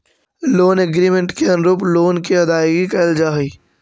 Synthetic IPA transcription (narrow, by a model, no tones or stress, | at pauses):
loːneɡɾiːmẽɳʈkeɐ̃nɾoːploːnkiɦɐd̪aːjɡikɐld͡ʒaːɦiː